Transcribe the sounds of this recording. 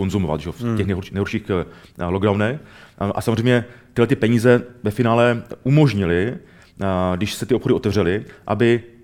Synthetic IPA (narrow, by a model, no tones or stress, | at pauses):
o̞nzumova̰t̪ʒɛofɛxnɛjɦoɾʃinɛjɦoɾʃiːxloɡdawnɛxʔa̰samozrejmɲɛt̪ɪhlɛt̪ɪpɛɲiːzɛvɛfɪnaːlɛʔumo̞ʒɲɪlɪ | dɪʃsɛt̪ɪo̞pxo̞dɪo̞t̪ɛvr̝ɛlɪʔabɪ